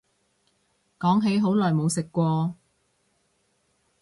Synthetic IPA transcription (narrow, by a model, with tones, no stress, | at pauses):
kɔː˨˥ŋɦe˨˥jɦo˨˥wlɔː˨˩jmo˨˧wsɪ˨kːʷɔː˧